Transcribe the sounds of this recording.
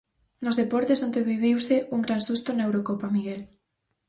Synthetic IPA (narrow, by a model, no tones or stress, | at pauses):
nozðepɔɾt̪esond̪eβiβiwseʔuŋɡɾansust̪onaewɾokopamiɣel